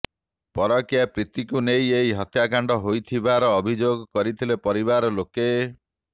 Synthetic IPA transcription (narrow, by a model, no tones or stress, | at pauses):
pɔɾɔkjapɾit̪ikunejeɦiɦɔt̪jakaɳɖɔɦojt̪ʰibaɾɔːbʱid͡ʒoɡɔkɔɾit̪ʰilepɔɾiβaɾɔloke